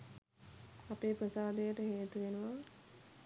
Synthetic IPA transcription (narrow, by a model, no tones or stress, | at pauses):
apeːpɾəsaːd̪ejəʈəɦeːt̪uʋenuʋa